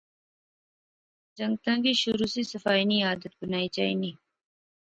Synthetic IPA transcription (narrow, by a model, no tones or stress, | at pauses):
d͡ʒɐ̃ŋɡ̚t̪ãːɡiʃʊɾuːsisəfaːjniaːd̪ət̪̚bənaːit͡ʃa̰ːḭnĩː